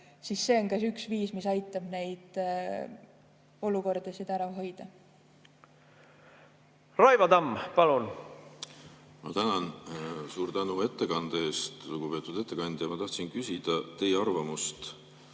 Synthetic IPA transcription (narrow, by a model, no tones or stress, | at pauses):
sisːe̞oŋkæsyksviːsmisɑjt̪ːˑɑb̥ne̞jd̪̥ | o̞luko̞rd̪̥esid̪̥æɾɑɦo̞jd̪̥ɑ | rɑjvɑd̪ɑmpɑlun | mɑ̰t̪ænɑnsuːɾt̪ænue̞t̪ːe̞kɑnd̪ee̞ːst̪luɡ̥upe̞ːt̪ːˑud̪e̞t̪ːˑe̞kɑnʲd̪̥jɑmɑt̪ɑht̪sinkysʲid̪̥ɑt̪e̞jeɑrvɑmust̪